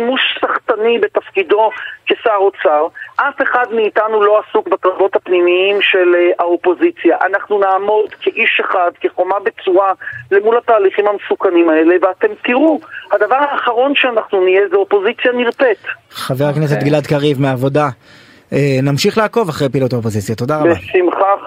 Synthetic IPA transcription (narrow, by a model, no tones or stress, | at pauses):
imuʃsaχtanibe̞t̪afkido̞kesaʁot͡saʁʔafe̞χadmiːtanulo̞asukbakʁavo̞t̪hapnimiimʃe̞laopo̞zit͡sjaʔanaχnunaːmo̞dkʰeʔiʃe̞χadkeχo̞mabet͡suale̞mulat̪aːliχimhamesukanimae̞leveat̪e̞mt̪iʁuhad̪avaʁaːχaʁo̞nʃeanaχnunijezeo̞po̞zit͡sjaniʁte̞t̪χaveʁaknes̬et̪ɡlad̪kaʁivmeaːvo̞da | enamʃiχlaːko̞vaχʁejpilot̪aopozit͡sjat̪o̞d̪aʁabasimχa